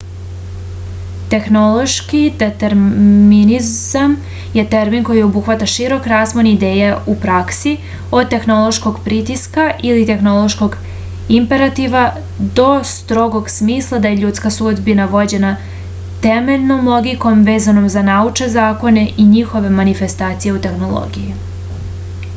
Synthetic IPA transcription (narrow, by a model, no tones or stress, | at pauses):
t̪e̞xno̞lˠo̞ʃkid̪et̪e̞ɾminizam | je̞t̪eɾminko̞jio̞buxʋat̪aʃiɾo̞kɾaːsmonid̪eːjeupɾaksi | o̞d̪̚t̪e̞xno̞lˠo̞ʃko̞ɡpɾit̪iskaʔilit̪e̞xno̞lˠo̞ʃko̞ɡ | impe̞ɾat̪iʋa | d̪o̞st̪ɾo̞ɡo̞ɡsmiːslˠad̪ajeʎuːt̪skasud̪binaʋo̞d͡ʑe̞na | t̪eme̞ʎʲnomlˠo̞ɡiko̞mʋeːzano̞mzanaut͡ʃe̞zaːko̞ne̞ʔiɲixo̞ʋe̞manife̞st̪aːt̪sije̞ut̪e̞xno̞lˠo̰ɡiji